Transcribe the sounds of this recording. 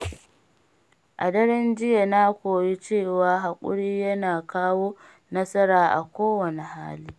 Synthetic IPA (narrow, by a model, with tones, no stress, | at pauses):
ʔa̰˨dɐ˦ɾɪ˦nd͡ʒɪ˦ja˨na˦kʷoː˨ji˦t͡ʃeː˦˨waː˦ɦa˨kʷʼʊ̰˦ɽiː˦jɐ˦naː˨kaː˦woː˦ | nɐ˦sɐ˦ɾaː˨ʔa̰˨kʷoː˦wɐ˨ne˨ha̰ː˦liː˦